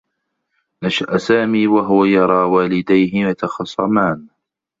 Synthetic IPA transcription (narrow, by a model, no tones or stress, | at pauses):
naʃaʔsaːmiːwaɦʊwajɑɾˤɑːwaːlɪd̪ajɦɪwat̪ɑxɑsˤːɑmaːn